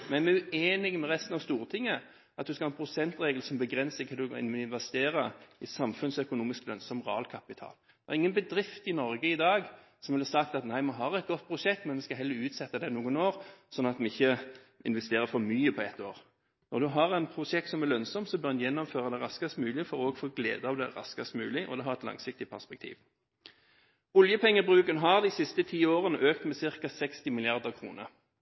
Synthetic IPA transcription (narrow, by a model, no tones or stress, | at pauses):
mɛnmɛʉeːnɪɡmɛɾɛst̪n̩ɑʋst̪uːʁt̪ʰɪŋːə | ʔɑt̪̚d̪ʉskɑhɑːnpʰɾʊsɛnt̪ɾeːɡl̩sɔmbəɡʁɛnsəkʰɑld̪ʉɪ̰nmɪnʋɛst̪eːɾəɪsɑmfʉnsœkʊnuːmɪsklœnsɔmʁɑːlkʰɑpɪt̪ʰɑ̰ːld̪̥ɛɛɾɪŋːənbəd̪ɾɪft̪ɪnɔɾɡəɪd̪ɑːɡ | sɔmʋlɛsɑk̚t̪ɑt̪næɪmɑɦɑʁɛt̪̚ɡɔt̪̚ːpʰɾʊʂɛk̚t̪mɛnʋɛskɑɦɛlːəɾʉːt̪sɛt̪ːəd̪ɛnuːɡənoːʁsɔnːɑt̪mɛɪçːə | ɪ̰nʋɛst̪eːʁəfɔmyːəpʰɔɛt̪ːoːʁ | nɔʁd̪ʉɦɑʁɛɪnpʰɾʊsɛk̚t̪sɔmɛlœnsɔmt̪sɔbœʁjɛnːɔmføːʁəd̪ɛʁɑskɑst̪mʉːlɪfɔʁoːɡfoːɡlḛːd̪əɑʋd̪ɛ̰ʁɑ̰skɑst̪mʉ̰ːlɪʔɔ̰d̪ɛɦɑʁɛt̪lɑ̰ŋsɪk̚t̪ɪpʰæʁspɛk̚t̪ʰḭːʋ | ʊljəpʰɛŋːəbʁʉːkənɦɑʁd̪ɪsɪst̪ət̪ʰiːoːʁənəʔøːkt̪mɛsɪʁkɑsɛkst̪ɪmɪlɪɑʁd̪əʁkʰʁṵːnə̰